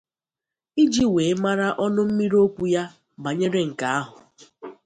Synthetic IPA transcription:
i˦d͡ʒi˦we˨˦ma˦ɾa˦ʔɔ˦nʊ˦m̩˦mi˦ɾo˦kʷu˨ja˦ | ba˨ɲe˦ɾe˦ŋ̩˨ka˨a˦ɦʊ˨

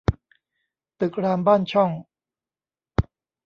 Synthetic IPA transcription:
t̪ɯ˨˩k̚ɾaː˧mbaː˥˩nt͡ɕʰɔ˥˩ŋ

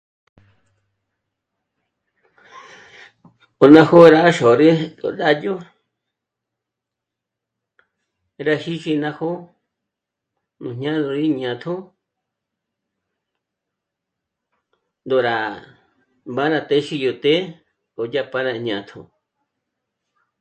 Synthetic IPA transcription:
o˨nã˧ho˦˧ɾa˦ʃo˨ɾe˦o̰˨ɗa˦jo˦˧ | ɾa˧ʃi˦ʃi˧nã˧ho˦ | nũ˨ɲɲã˦d̪o˧ɾi˦ɲã˨t̪ʰo˦ | nd̪o˨ɾa˨ | mba˦nã˧t̪e˦ʃi˧jo˧t̪e˦ | o˨ja˧pa˦nã˧˨ɲã˨t̪ʰo̰˨

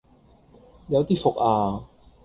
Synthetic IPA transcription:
jɐ˨˧wt̪iː˥fʊ˨k̚aː˧

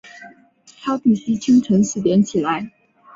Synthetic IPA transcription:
sɑ˥ʊp̪i˥˩si˥t͡ɕʰi˥ŋʈ͡ʂʰə˧˥ŋʂɻ̩˥˩ljɛ˧˥nt͡ɕʰi˨˩la˧˦ɪ

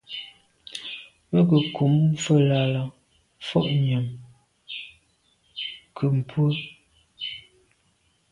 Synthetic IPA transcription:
mə˦k̬ə˨kʰu˨˦m˦fə˦la˨la˨ | fɔ̰˦ʔɲə˨m | kʰə˨m̩˨pwə˦

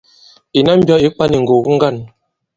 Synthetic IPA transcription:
i˨na˦m̩˦bjɔ˦i˦k͡pa˦ni˨ŋ̩˨ɡo˨ɡu˦ŋ̩˦ɡa˦˨n

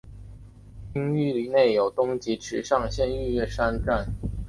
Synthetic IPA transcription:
i˥ŋy˥˧li˧˩ne˥˩ɪjo˨˩ʊt̪ʊ˥ŋt͡ɕi˧˥ʈ͡ʂʰɻ̩˧˥ʂɑ˥˧ŋɕjɛ˥˧ny˥˧ɥɛ˥˩ʂa˥nʈ͡ʂa˥˩n

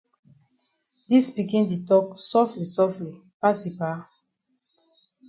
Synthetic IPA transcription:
di˦sbi˨kĩ˦nde˨tɔ˦ksɔ˦fli˨sɔ˦fli˨ | pa˦si˨pa

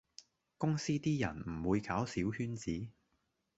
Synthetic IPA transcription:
kʊ˥ŋsiː˥t̪iː˥jɐ̰˨˩nm̩˨˩wuː˨˧jkaː˨˥wsiː˨˥whyː˥nt͡siː˨˥

